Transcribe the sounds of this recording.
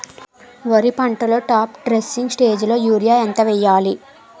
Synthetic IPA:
ʋɐɾipɐɳʈɐlo̞ːʈaːpɖɾesːiŋɡsʈe̞ːd͡ʒlo̞ːjuːɾijaːjɐnt̪ɐʋɛjːaːli

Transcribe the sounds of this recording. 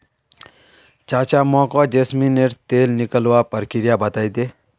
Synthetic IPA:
t͡ʃaːt͡ʃamɔkɔd͡ʒesmineʈt̪eːlnikəlʋaːpəɾkiɾjabɐt̪aːid̪e

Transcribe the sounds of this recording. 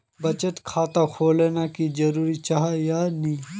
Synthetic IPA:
bɐt͡ʃəʈ̪kʰaːt̪akʰoːleːnaːkizɐɾuːɾit͡ʃaɦajaːnĩː

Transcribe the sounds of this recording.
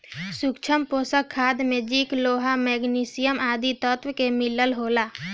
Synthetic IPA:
sukt͡ʃʰəmpoːsəkʰːaːd̪mẽd͡ʒiːkloːɦamɛːɡniːsɪjəmaːd̪it̪ɔt̪wkemɪləlɦoːlaː

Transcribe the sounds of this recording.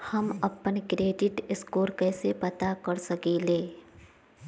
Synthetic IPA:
hɐmɐpənkɾeːɖɪʈɪskoːɾkɛːsepɐt̪akɐɾsɐkeːleː

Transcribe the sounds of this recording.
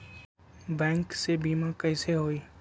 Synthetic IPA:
bɛ̃ːŋksebiːmãkɛːseɦoːiː

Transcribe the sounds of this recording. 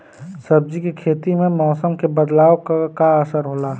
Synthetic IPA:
sɐb̚d͡ʒikekʰeːt̪imẽmɔːsəmkebəd̪laːokkaəsəɾɦoːlaː

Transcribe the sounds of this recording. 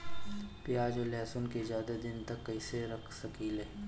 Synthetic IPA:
pjaːd͡ʒolɛːsʊnkezaːd̪ad̪ɪnt̪ɐkːɐiseɾɐkʰsɐkileː

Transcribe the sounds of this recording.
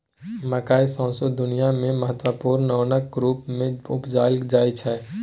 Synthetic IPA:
məkaːisɔ̃ːsod̪ʊnijamẽməɦət̪wəpuːɾnːəːnək̚ɾuːpmẽʊpd͡ʒaːlkd͡ʒaːit͡ʃʰɛː

